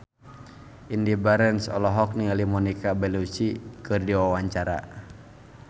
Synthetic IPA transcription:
indibaɾɛnsɔ̰lɔɦɔk̚niŋalimɔnikabɛlut͡ʃikɨrdiwawaɲt͡ʃaɾa̰

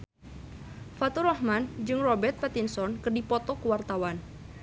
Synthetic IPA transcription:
fat̪uɾɔhmand͡ʒɨŋrɔbɛrt̪̚pat̪insɔnkɨrdipɔt̪ɔkəwart̪awan

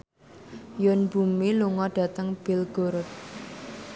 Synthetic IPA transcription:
jʊnb̥ṳmiluŋɔɖ̥ä̤t̪əŋb̥ɪlɡ̥oɾʊt̪̚

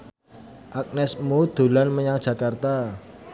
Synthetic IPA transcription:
ʔak̚nɛsmod̪̥o̤lanməɲaŋdʒ̥ä̤kart̪a

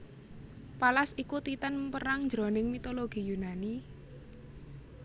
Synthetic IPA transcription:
palasikut̪it̪ənpəɾaŋɲd͡ʒɾo̤nɪŋmit̪oloɡ̥i̤junani

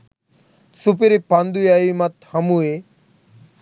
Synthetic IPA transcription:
sup̬iɾipand̪ujaimɐt̪hɐmue

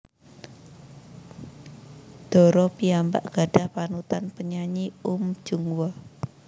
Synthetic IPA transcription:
d̪̥ɔ̤ɾɔpiamba̰ʔɡ̥a̤ɖ̥a̤hpanut̪anpəɲaɲiʊm̥d͡ʒ̥uŋwɔ

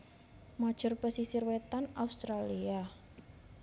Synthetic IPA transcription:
mad̥ʒ̥ʊrpəsisirwet̪anaust̪ɾalia

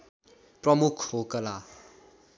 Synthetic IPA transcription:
prʌmukʰhokʌla

